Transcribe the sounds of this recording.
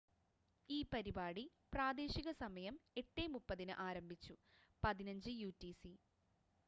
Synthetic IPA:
iːpɐɾibaːɽi | praːd̪e̞ːɕiɣɐsɐmɐjɐme̞ʈːeːmupːɐðinɨʔaːɾɐmbʱit͡ɕːupɐðinɐɲd͡ʑɨjuːtːisi

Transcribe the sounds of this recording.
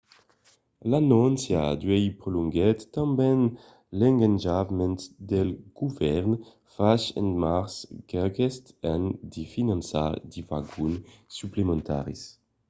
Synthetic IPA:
lanɔnsjad̪yɛjpɾoluŋɡɛt̪ːãmbɛn | lɛ̃ŋɡand͡ʒavmɛnt̪d̪ɛlɡ̥uvɛʁn | faʃɛ̰̃nmaʁskɛɡest̪ɛnd̪ifinãnsa̰d̪ivaɡunːyplemẽnt̪a̰ʁḭs

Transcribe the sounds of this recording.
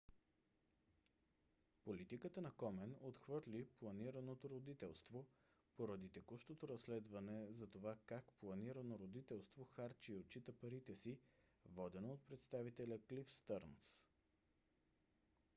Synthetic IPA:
polit̪ikət̪ənɐkɔmɛnot̪xvɤɾlʲiplˠɐniɾənot̪oɾod̪it̪ɛlˠst̪vo | poɾɐd̪it̪ɛkuʃt̪ot̪oɾɐslɛd̪vɐnɛzɐt̪ovakakplˠɐniɾənoɾod̪it̪ɛlˠst̪voxaɾt͡ʃiot̪̚t͡ʃit̪əpɐɾit̪ɛsivɔd̪ɛnoot̪̚pɾɛt̪st̪avit̪ɛlʲəklifst̪əɾns

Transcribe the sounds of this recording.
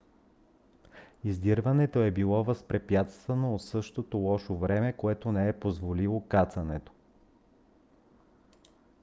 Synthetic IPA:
izd̪iɾvɐnɛt̪oɛbilˠɔvɐspɾɛpjat̪st̪vɐnoːt̪sɤʃt̪ot̪olˠɔʃovɾɛmɛkoɛt̪onɛɛpozvolilˠokat̪sɐnɛt̪o̥

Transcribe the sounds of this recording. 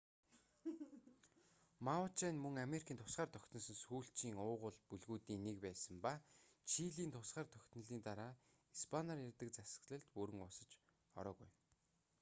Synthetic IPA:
maʊt͡ɕenmɵŋameɾikʰiːnt̪ʰʊ̥sχaːrt̪ʰœkʲt̪ʰɞ̆nsə̆nsuːɬt͡ɕiːŋʊːʁʊ̆ɮpuɮɣuːt̪iːŋnekpæːsə̆mpat͡ɕʰiɮiːnt̪ʰʊsχaːrt̪ʰœkʲt̪nə̆ɮiːnt̪aɾaː | ispʰanarjarʲt̪ə̆k̚t͡sasə̥̆kɮə̆ɮt̪puɾɘ̆ŋʊsə̆t͡ɕ | ɔ̰ɾɔːɣuj

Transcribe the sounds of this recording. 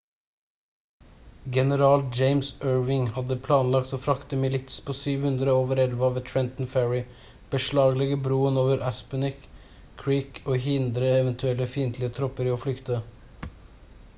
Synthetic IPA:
ɡɛnəɾɑːld͡ʒeɪmsøːɹʋɪŋhɑd̪əpʰlɑːnlɑkt̪oːfɾɑkt̪əmɪlɪt̪spʰoːsyːʋhʉnd̪ɾəoːʋəɾɛlʋəɑːʋt̪ʰɹɛnt̪n̩fæɹɪ | b̥əʂɭɑːɡlɛɡəbɾuːənoːʋəɾʔæspənɪk | kʰːɹiːkʰoːɦɪnd̪ɾəɛʋənt̪ʰʉɛləfiːnt̪ʰlɪət̪ʰɾɔpəɾoːflʏkt̪ə

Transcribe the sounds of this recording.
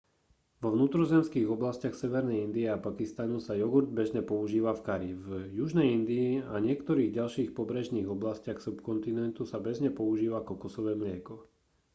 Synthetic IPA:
ʋɔʋnuːt̪ɾɔzɛmskiːɣɔblascɪaxsɛʋɛɾnɛjind̪iɛapakist̪anusajɔɡuɾd̪̚bɛʒɲɛpɔuʒiːʋafkaɾivjuʒnɛjind̪iːaɲɪɛkt̪ɔɾiːɣɟalʃiːxpɔbɾɛʒniːɣɔblascɪaxsupkɔnt̪inɛnt̪usabɛzɲɛpɔuʒiːʋakɔkɔsɔʋɛːmlɪɛkɔ

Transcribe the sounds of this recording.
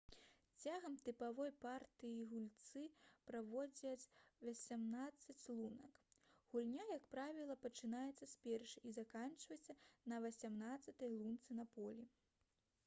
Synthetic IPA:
t͡sʲaɣɐmt̪ɨpavɔjpart̪ɨjiɣulʲt̪sɨpɾavɔd͡zʲɐt͡sʲvɐsʲamnat̪sːɐt͡sʲlˠunɐkɣulʲnʲajɐkpɾavʲilˠɐpɐt͡ʂɨnajɛt̪sːɐsʲpʲɛrʂɨʔizakant͡ʂvɐt͡sʲɐnɐvɐsʲamnat̪sɐt̪ɐjlˠunt̪sɨnɐpɔlʲi

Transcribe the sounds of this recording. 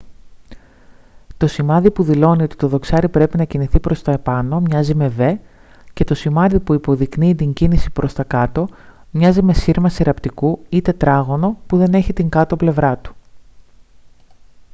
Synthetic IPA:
t̪o̞simɐðipuðilo̞nio̞t̪i̥t̪o̞ðo̞ksɐɾipɾe̞pinɐciniθipɾo̞st̪ɐepɐno̞mɲɐzime̞ve̞ | ce̞t̪o̞simɐðipuipo̞ðikniːt̪iɲɟinisipɾo̞st̪ɐkɐt̪o̞mɲɐzime̞siɾmɐsiɾʔɐpt̪ikuit̪e̞t̪ɾɐɣo̞no̞puðe̞ne̞çit̪iŋɡɐt̪o̞ple̞vɾɐt̪u̥

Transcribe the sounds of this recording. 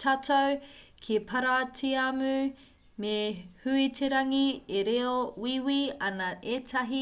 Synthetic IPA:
tʰatʰowkʰipʰɐɾatʰiamʉ | mehʉitʰeɾɐŋieɾeowiwiɐnɐʔetʰɐɦi

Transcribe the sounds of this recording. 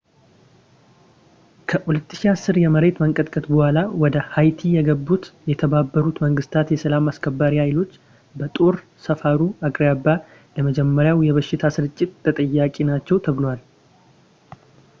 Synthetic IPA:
kʰəhulət̪ːɨ̥ʃiasːɨɾjɛməɾe̞t̪məŋkʼət̪kʼət̪bəhʷalawɔd̪əhajt̪ʰijɛɡəbːut̪jɛt̪ʰəbabːəɾut̪məŋɡɨst̪ʰat̪jɛsəlamaskʰəbːaɾihajlo̞t͡ʃː | bət̪ʼo̞ɾ | səfaɾuakʼɾjabːa | ləməd͡ʒɛmːəɾjawjɛβəʃːɪt̪ʰasɨɾɨt͡ʃʼːɪt̪ːʰət̪ʼəjːakʼinat͡ʃːɛwt̪ʰəβɨlwal

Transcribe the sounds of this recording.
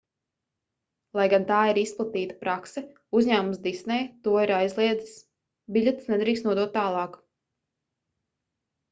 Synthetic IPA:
lˠajɡant̪aːiɾisplˠat̪iːt̪ḁpɾaksɛ | uzʲɲæːmumsd̪isnɛjt̪uɔiɾajzlˠiɛd̪zi̥s | biʎʲet̪snɛd̪ɾiːkst̪nuɔd̪uɔt̪ːaːlˠɑːk

